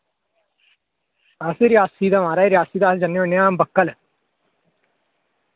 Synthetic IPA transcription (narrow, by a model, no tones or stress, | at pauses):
əseɾɪjaːsiːd̪amaːɾaiɾɪjaːsiːd̪aːsd͡ʒənːʋəneãːbəkːəl